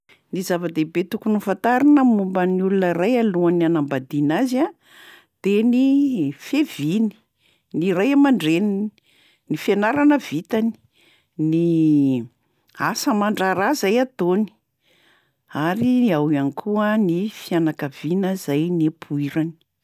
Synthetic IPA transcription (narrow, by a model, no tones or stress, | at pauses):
nizavəd̪ebet̪ukunufant̪aɾinəmumbəniulunərajaluanianambad̪inaza | d̪̥enifevini̥ | nirajamaɳɖ͡ʐenini | nifianaɾanəvit̪ani̥ | ni | asəmaɳɖ͡ʐaɾazajat̪oni̥ | aɾiawanikʰuənifianakav̥inəzajnepʰuiɾani̥